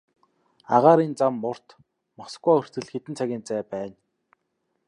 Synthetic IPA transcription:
aʁaːɾiːnt͡samːʊr̥t̪ | mɔsɡujœr̥t͡sɘ̆ɮxet̪ɘ̆nt͡sʰaɣʲiːnt͡sæːpæːn

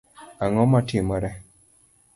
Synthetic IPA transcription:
aŋɔmatimɔɾɛ

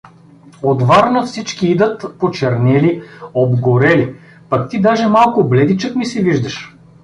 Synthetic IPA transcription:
od̪vaɾnəfsit͡ʃkiid̪ət̪pot͡ʃɛɾnɛliobɡoɾɛli | pɐkt̪id̪aʒɛmalˠkʊblɛd̪it͡ʃəkmisɛviʒd̪əʃ

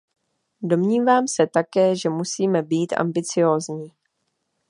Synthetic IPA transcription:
do̞mɲiːvaːmsɛt̪akɛːʒɛmusiːmɛbiːt̪ʔa̰mbɪt͡sɪjo̞ːzɲiː

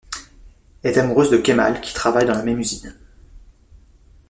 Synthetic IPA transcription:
ɛɛt̪amuʁøzd̪əkʲema̰lkʲi̥t̪χavajd̪ɑ̃lamɛmyzin

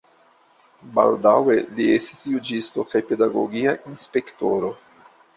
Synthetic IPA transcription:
ba̰ldawe̞liestisjud͡ʒisto̞kajpe̞daɡo̞̰ɡiaʔinspe̞kto̞ɾo̞

